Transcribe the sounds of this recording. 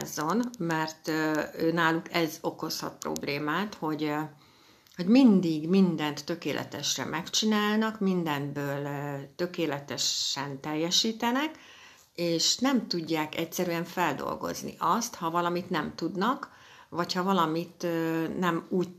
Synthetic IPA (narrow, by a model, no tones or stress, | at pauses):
zo̞nmɛrt̪øːnaːlukʰɛzo̞ko̞shɒ̰t̪̚pro̞̰bleːmaːt̪ho̞ɟ | ho̞ɟmind̪iɡmind̪ɛnt̪ːø̞keːlʔɛ̰t̪ɛʃrɛ̰mʔɛkt͡ʃinaːlnɒkmind̪ɛnbøːlt̪ø̞keːlɛt̪ɛʃɛnt̪ɛjːɛʃiːt̪ɛnɛk | eːʃnɛmt̪uɟːaːkɛcsɛɾyɛɱfɛld̪o̞̰lɡo̞̰znḭʔɒst̪hɒvɒlɒmit̪nɛmt̪ud̪nɒk | vɒchɒvɒlɒmit̪nɛmuːɟ